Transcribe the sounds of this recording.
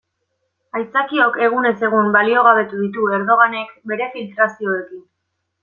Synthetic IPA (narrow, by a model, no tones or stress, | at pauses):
ajt͡sakio̞ke̞ɣ̞une̞se̞ɣ̞umbalio̞ɣ̞aβ̞e̞t̪uðit̪̬ue̞ɾð̞o̞ɣane̞kbe̞ɾe̞filt̪ɾasio̞e̞kin